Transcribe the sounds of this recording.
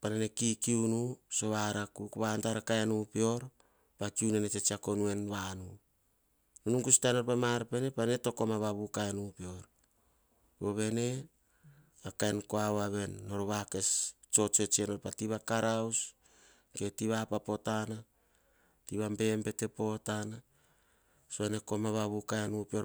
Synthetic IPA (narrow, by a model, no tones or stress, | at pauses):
panenekikiunuso̞βaɾakukoβantaɾakaenupio̞ɾ | pakiunenet͡ʃe̞t͡ʃiako̞nue̞nβanu | nunuŋkustanoɾpamaɾape̞ne̞paneto̞ko̞maβaβukaenupeo̞ɾ | boβe̞ne | akaenkoawaβe̞nːo̞ɾoβake̞s | t͡ʃo̞t͡ʃe̞t͡ʃieno̞ɾpatiβakaɾaws | ke̞tiβapapotana | tiβambe̞mpe̞te̞po̞tana | soane̞ko̞maβaβukaenupio̞